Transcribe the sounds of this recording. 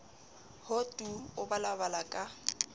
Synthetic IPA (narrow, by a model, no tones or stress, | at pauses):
hotʼuʊbalabalakʼa